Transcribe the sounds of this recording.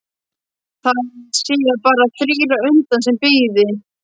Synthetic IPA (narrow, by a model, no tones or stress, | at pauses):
θaðsiːɣaɾpaːɾaθɾiːɾaʏnt̪ansɛmpɪːðɪ